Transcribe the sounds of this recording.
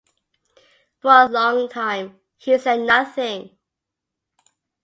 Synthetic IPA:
fɔəlɔ̃ŋtʰãɪ̃m | hisɛd̚ⁿnʌθɪ̃ŋ

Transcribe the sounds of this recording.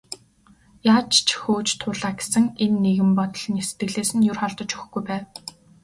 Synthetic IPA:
jaːt͡ɕt͡ɕʰxoːt͡ɕt̪ʰʊɮaːɡe̥sɘ̆ŋenːeɣɘ̆mpɔt̪ɞ̆ɮ̆nise̥t̪ɡɘ̆ɣɮeːsɘ̆njʊrχɔɮt̪ɞ̆t͡ɕuxɡujpæːw

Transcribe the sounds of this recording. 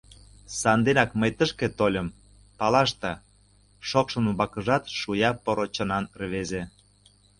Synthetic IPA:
sɑnd̪enɑkməjt̪əʃket̪olʲəm | pɑlɑʃt̪ɑ | ʃokʃə̆numbɑkəʒɑt̪ʃujɑpoɾot͡ɕə̆nɑnrβeze

